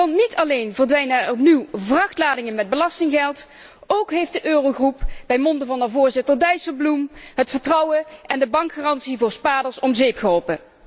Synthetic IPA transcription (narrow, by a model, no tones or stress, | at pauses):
ɔnnitʰɑlejnvəɹdʋɛjnɛɹɔpniwvrɑxtlaːdɪŋənmɛd̚bəlɑstɪŋɣɛlˠt | owkɦejftdəʔøːrowɣrupbɛjmɔndəvɑnəvʊːɹzɪtəɹdɛjsəblumɦətfəɹtrɑwəʔɛndəbɑŋkxaːrɑntsivʊːɹspaːdəɹsɔmzejpxɦɔlˠpə